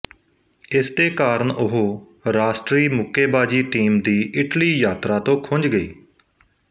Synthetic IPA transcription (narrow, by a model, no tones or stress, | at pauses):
ɪst̪eːkaːɾəɳʊɦoː | ɾaːsʈɾiːmʊkʰeːbaːd͡ʒiːʈiːmd̪iːʔɪʈliːjaːt̪ɾaːt̪õːkʰʊnd͡ʒɡəiː